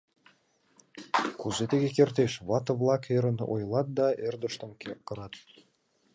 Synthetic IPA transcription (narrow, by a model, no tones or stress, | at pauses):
kuzet̪eɣekert̪eʃβɑt̪ɤ̆vlˠɑkʰeɾə̆no̰jlˠɑt̪̚d̪ɑerd̪ə̆ʃt̪ɤ̆mkekːɤ̆ɾɑt̪